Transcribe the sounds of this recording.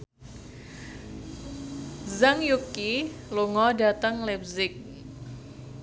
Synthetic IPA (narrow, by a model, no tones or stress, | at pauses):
zaŋjukːiluŋɔdat̪əŋlɛp̚zɪk̚